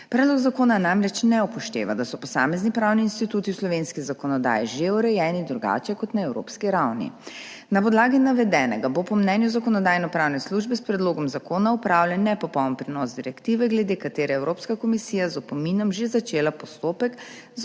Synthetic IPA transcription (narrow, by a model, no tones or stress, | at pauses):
pɾɛd̪lɔɡzakoːnanamɾɛt͡ʃnɛupɔʃt̪ḛːʋa̰d̪asɔpɔsaːmɛznipɾawniːnst̪it̪uːt̪iwslɔʋeːnskizakɔnɔd̪a̰ːjɛʒeɔɾɛjɛːnid̪ɾuɡa̰ːt͡ʃɛkɔt̪naɛwɾo̰ːpskiɾawnḭ | napɔd̪laːɡinaʋɛd̪ɛːnɛ̰ɡabopɔmnɛnjuzakɔnɔd̪aːjnɔpɾaːwnɛsluːʒbɛspɾɛd̪loːɡɔmzakoːnaupɾaːwlʲjanːɛpɔpɔwmpɾinɔzd̪iɾɛkt̪iːʋɛɡlɛd̪ekat̪eːɾɛɛwɾoːpskakɔmisiːjazɔpɔminɔmʒezat͡ʃeːlapɔst̪oːpɛk | z